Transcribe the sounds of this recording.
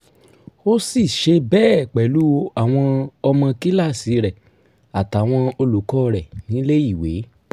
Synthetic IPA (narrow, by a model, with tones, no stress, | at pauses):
o˦si˦˨ʃe˧bɛː˦˨k͡pɛ˨lu˨˦o˧a˨w̃ɔ̃˧ɔ˧mɔ̃˧ki˦la˦˨si˨˦ɾɛ˨ | a˨ta˨˦˨w̃ɔ̃˧o˧lu˨kɔ˦˧ɾɛ˨nĩ˨˦le˦i˦˨we˨˦